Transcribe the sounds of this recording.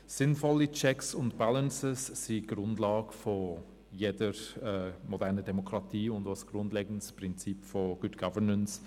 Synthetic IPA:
sɪnfɔlit͡ʃɛksʊntb̥alənsəsːiɡ̥ɾʊndlɑːɡəfɔ | jedəɾɛmɔdɛʁnədɛmokʰɾɑtiːʊndasɡ̥ɾʊndleːɡən̩əspɾɪnt͡sipfoɡ̥ʊdɡ̥ɑvənəns

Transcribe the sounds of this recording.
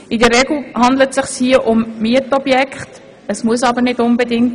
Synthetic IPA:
ɪdərɾɛɡl̩hɑndlətsɪχshiəʔʊmmiətɔbjɛkχt | əsmuəsɑbəɾnɪdʊnbədɪŋt

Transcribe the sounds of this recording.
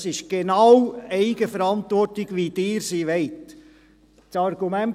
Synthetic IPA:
sɪʃɡ̥enɑwɛɪɡəfəɾɑnt̪ʋɔrtɪɡ̥ʋid̥ɪːɾsiːʋɛɪt | t͡sɑɾɡ̥umæn

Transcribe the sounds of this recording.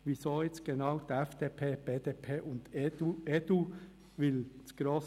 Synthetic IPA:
ʋizoːɛt͡st̚ɡ̥enɑʊd̥̪əɛfd̥eːpʰeːb̥eːd̪eːpʰeːʔʊnd̪uedu | ʋɪlsɡ̥ɾoːs

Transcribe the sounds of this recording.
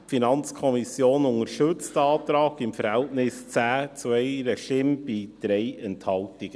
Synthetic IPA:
finɑnt͡skʰɔmisjoːnʊŋəɾʃɵt͡stɑːtɾɑːɡɪmfəɾhɛltnɪst͡sæːt͡swɛɪɾɛʃɪmb̥id̥ɾeɪɛnthɑltɪɡ̥ə

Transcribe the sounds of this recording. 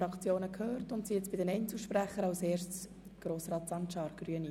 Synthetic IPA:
ɾɑkt͡sjoːnəkʰhøːrtʊntsiɛt͡sb̥ɪdɛnɛjnt͡sl̩ʃpræχəɾɑseːʃtt͡s | ɡ̥ɾoːsrɑːtsɑnʃɑːɾɡ̥ryəni

